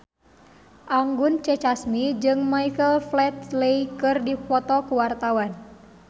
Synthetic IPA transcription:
ʔaŋɡʊnt͡ʃɛt͡ʃasmid͡ʒɨŋmaikəlflɛt̪leikɨrdipɔt̪ɔkuwart̪awan

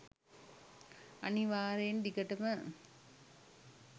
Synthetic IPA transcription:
aniʋaːɾend̪ikəʈəmə

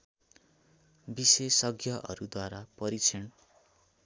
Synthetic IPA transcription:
bisesʌɡʱjʌʔʌ̰ɾud̪waɾapʌɾit͡sʰʌn

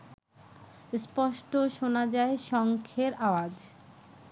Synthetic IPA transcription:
spɔʃʈoʃonad͡ʑaeʃɔŋkʰeɾawad͡ʑ

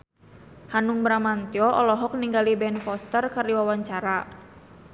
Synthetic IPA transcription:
hanuŋbɾamant̪jɔʔɔlɔɦɔk̚niŋɡalibɛnfɔst̪ərkərdiwawaɲt͡ʃaɾa

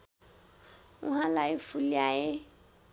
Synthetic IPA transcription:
uɦalaifuliajɪ

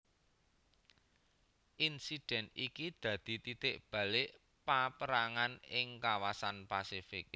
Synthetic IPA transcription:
ʔinsid̥ɛ̤nikid̪̥ä̤d̪̥i̤t̪it̪ɪʔb̥ä̤leʔ | papəɾaŋanɪŋkawasanpasifɪk̚

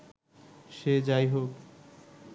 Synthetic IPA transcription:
ʃed͡ʑajɦok

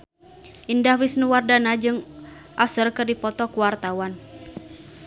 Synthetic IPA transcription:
ʔindahwɪsnuwardanad͡ʒɨŋ | ʔasərkɨrdipɔt̪ɔkuwart̪awan

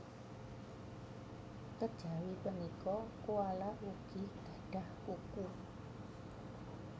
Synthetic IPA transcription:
kəd̥ʒ̥a̤wipənikɔkualaʔwuɡ̥i̤ɡ̥a̤ɖ̥a̤hkukur

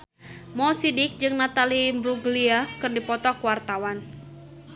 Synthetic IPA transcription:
mɔsidɪk̚d͡ʒɨŋnat̪alimbɾuɡliakɨrdipɔt̪ɔkwart̪awan

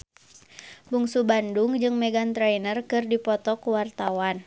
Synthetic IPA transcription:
buŋsubanduŋd͡ʒɨŋmɛɡant̪ɾɛjnərkɨrdipɔt̪ɔkuwart̪awan

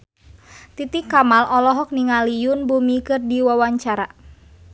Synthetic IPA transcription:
t̪it̪ikːamalɔlɔɦɔk̚niŋalijunbumikɨrdiwawaɲt͡ʃaɾa

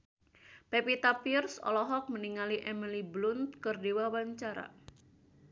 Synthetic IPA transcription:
pepit̪apirsɔ̰lɔɦɔk̚məniŋaliʔɛmiliblʊnt̪̚kərdewawaɲt͡ʃaɾa̰

